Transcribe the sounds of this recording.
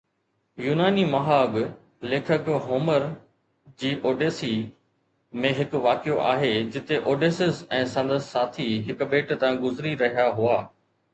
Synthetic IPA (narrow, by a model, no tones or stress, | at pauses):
juːnaːnimɐɦaːɡ | leːkʰəkɦoːməɾ | d͡ʑiːʔoːɖeːsi | mẽɦɪkʋaːkijoʔa̰ːɦed͡ʑɪt̪eʔoːɖeːsɪzɛ̃ːsɐ̃nd̪əssaːt̪ʰiɦɪkbeːʈt̪ãɡʊzɾiɾɐɦijaɦuaː